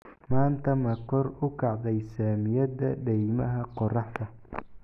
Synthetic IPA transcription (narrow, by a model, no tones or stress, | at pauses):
maːnt̪ʰɐmɐkʰɔrʊkʰɑʕd̪ɛjsaːmɪjɐd̪ɐɖɛjmɐɦɐqɔrɑħt̪ʰɐ